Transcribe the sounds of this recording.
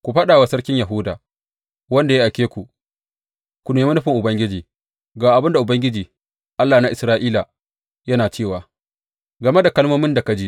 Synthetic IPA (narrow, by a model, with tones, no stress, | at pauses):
kʷu˨ɸɐ˦ɗaː˨wa˦sɐ˦ɽkʲɪ˦ɲja˨ɦʊ˦da̰ː˨ | wɐ˦nda˨je˦ʔa˨kʲeː˦kʷu˨ | kʷu˨neː˨˦ma˦nʊ˦ɸɪ˨ŋʔʊ˨bɐ˦ŋɡʲɪ˦d͡ʒiː˨ | ɡaː˨ʔa˨bɪ˦nda˨ʔʊ˨bɐ˦ŋɡʲɪ˦d͡ʒiː˨ | ʔa˦lːaː˨na˦ʔɪ˨sɾaː˦ʔiː˦la˨ | jɐ˦naː˨t͡ʃeː˦˨waː˨ | ɡɐ˨me˦da˨kɐ˦lmoː˦mɪ˦nda˨ka˨d͡ʒi˦ʔ